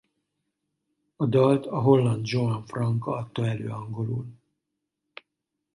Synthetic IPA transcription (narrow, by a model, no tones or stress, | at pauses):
ɒd̪ɒlt̪ɒɦo̞lːɒnd̪d͡ʒoɒɱfrɒŋkɒɒt̪ːoːɛlø̰ːɒŋɡo̞lṵːl